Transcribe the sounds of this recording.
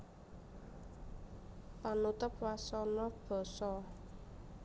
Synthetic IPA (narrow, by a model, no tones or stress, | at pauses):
panut̪ʊp̚wasɔnɔb̥ɔ̤sɔ